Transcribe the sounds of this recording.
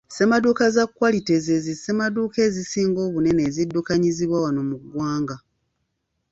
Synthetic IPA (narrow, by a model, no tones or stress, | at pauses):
se̞madukazakwalite̞zezise̞maduːke̞ːzisiːŋɡo̞ːβune̞ne̞ːzidːukaɲiziβwawano̞muɡwaːŋɡa